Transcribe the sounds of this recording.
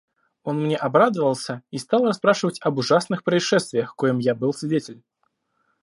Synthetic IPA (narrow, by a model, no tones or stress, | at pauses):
o̞nmnʲeʔɐbɾad̪əvəlˠsʲəist̪alˠrɐspɾaʂɨvətʲɐbʊʐasnɨxpɾəɪʂɛst̪vʲɪjəxkojɪmjabɨlˠsʲvʲɪdʲetʲɪlʲ